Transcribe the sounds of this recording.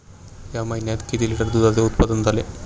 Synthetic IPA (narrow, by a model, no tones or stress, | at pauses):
jamɐjnjat̪ket̪iliʈəɾd̪ud̪aɾd̪eut̪pɐd̪ɐnd̪ale